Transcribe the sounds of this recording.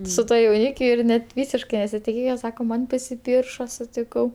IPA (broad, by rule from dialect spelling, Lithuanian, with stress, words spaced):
sʊ ˈtuɔ jɛʊˈnʲiːkʲʊ ɪr ˈnʲɛt ˈʋʲiːsʲɪʃkɐɪ nʲɛsʲɪtʲɪˈkʲeːjɛ ˈsɑːkoː ˈmɐn pɐsʲɪˈpʲiːrʃoː sʊtʲɪˈkɐʊ